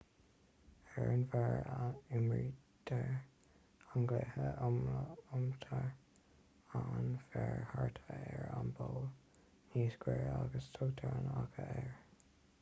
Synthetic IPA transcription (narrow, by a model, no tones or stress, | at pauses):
ɛɹənvɛɹaɪmɹid̪ʰəɹ | aŋɡlɛhəmʊmt̪ʰəɹ | anfɛɹhaɹt̪ʰəɛɹanboːl | niːsɡwɛɹaɡəst̪ʰoːt̪ʰaɹnaɡʰəɛɹ